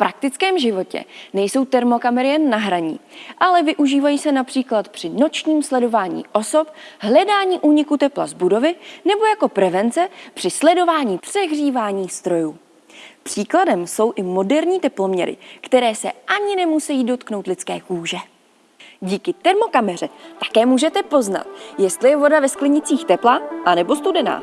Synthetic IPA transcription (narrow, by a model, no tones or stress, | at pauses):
fpɾʔak̚t̪ɪt͡skɛːmʒɪvo̞cɛ̰nɛjso̞wt̪ɛɾmo̞kamɛɾɪjɛnːaɦɾaɲḭːʔalɛvɪʔuʒiːvajiːsɛnapr̥iːklat̪pr̝̥ɪno̞t͡ʃɲiːmslɛdo̞vaːɲḭːʔo̞so̞p̚ɦlɛdaːɲiːʔuːɲɪkut̪ɛpla̰zbudo̞vɪnɛbo̞jako̞pɾɛvɛnt͡sɛpr̝̥ɪslɛdo̞vaːɲiːpr̝̥ɛɣriːvaːɲiːst̪ɾo̞juː | pr̝̥iːkladɛmso̞wʔɪmo̞dɛɾɲiːt̪ɛplo̞mɲɛɾɪ̰kt̪ɛɾɛːsɛʔaɲɪnɛmusɛjiːdo̞t̪kno̞wt̪lɪt͡skɛ̰ːkuːʒɛ | ɟiːkɪt̪ɛɾmo̞kamɛr̝ɛt̪ḁkɛːmuːʒɛt̪ɛpo̞zna̰t̪jɛst̪lɪjɛvo̞davɛsklɪɲɪt͡siːxt̪ɛplaʔanɛbo̞st̪udɛna̰ː